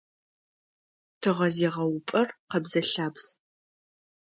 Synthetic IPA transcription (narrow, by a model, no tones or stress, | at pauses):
tʰɨʁɐzeːʁɐwʊpʼɐrqɐbzɐɬaːbs